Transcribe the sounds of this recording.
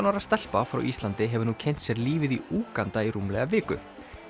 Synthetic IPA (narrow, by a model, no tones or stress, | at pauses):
nawɾast̪ɛl̥pafɾa̰wʔist̪lant̪ɪɦɛvʏɾnucʰɛn̥t̪sjɛɾliːvɪðiuːkant̪aiɾumlɛɣavɪːkʏ̰